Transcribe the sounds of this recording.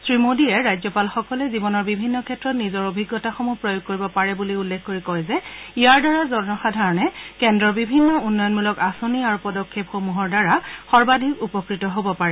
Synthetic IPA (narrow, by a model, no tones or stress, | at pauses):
sɹimodiɛɹajzɔpalxɔkɔlɛzibɔnɔɹbibʱinːɔkʰɛtɹɔtnizɔɹobʱiɡːɔtaxomuhpɹɔjoɡ̚koɹibɔpaɹɛbuliulːekʰkoɹikɔjzɛijaɹdaɹazɔɹnɔxadʱaɹɔnɛkɛndɹɔbibʱinːɔunːɔjɔnmulɔkasoniaɹupɔdɔkʰːepxomuɦɔɹdaɹaxɔɹbadʱikupɔkɹitɔɦobɔpaɹɛ